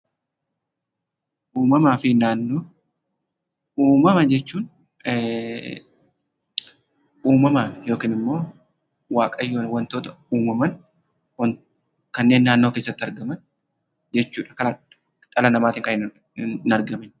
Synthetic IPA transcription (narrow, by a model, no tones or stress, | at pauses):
ʔuːmɐmaːfɪnaːnːoː | uːmɐmɐd͡ʒɛt͡ʃːuːn | uːmɐmaːɪjo̞ːkiːnɪmːo̞ː | waːkʼɐjːowɐnt̪o̞ːt̪ɐ | uːmɐmɐn | wɐn | kɐnːe̞ːnːaːnːoːkeːsːɐt̪ːɪɐɾɡɐmɐn | d͡ʒɛt͡ʃːuːᶑɐ̥kɐlɐ | ᶑɐlɐnɐmaːt̪ɪŋkɐɪn | nɐɾɡɐmɪn